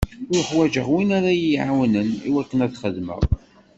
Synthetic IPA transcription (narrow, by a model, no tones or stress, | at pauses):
ʊɾχwæʒəʁwinaɾajiʕawnəniwækːənæt͡sːχəðmə̰ʁˤ